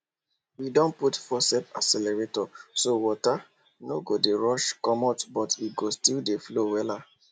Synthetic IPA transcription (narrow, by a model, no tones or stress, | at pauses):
widɔ̃nputfɔsɛpa̰sɛlɛɹetɔsowɔta | noɡodeɹɔʃkɔ̃matbɔtʰitɡostildeflowɛla